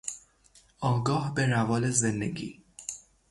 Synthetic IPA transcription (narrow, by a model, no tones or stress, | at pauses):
ɒːɡɒːhbeɾævɒːlezend̪ḛɡḭː